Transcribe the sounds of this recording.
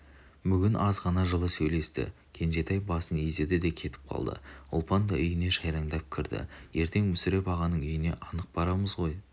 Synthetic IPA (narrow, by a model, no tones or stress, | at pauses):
bʏɡʲɪnʔɑzʁɑnɑʒəlˠəsɵjle̞st̪ɪ̰ | kʲʰe̞nʒe̞t̪ɑjbɑsəneze̞d̪ɪd̪e̞kʲʰe̞t̪ʰɪ̥p̚qʰɑ̰lˠd̪ə̰ʊ̰lˠpɑnd̪ɑʏjɪne̞ʃɑjɾɑɴd̪ɑp̚kʲʰɪɾd̪ɪ̰je̞ɾt̪ʰe̞ŋmʏsɪɾe̞pɑʁɑnəɴʏjɪne̞̰ʔɑnəq̚bɑɾɑməzʁo̞j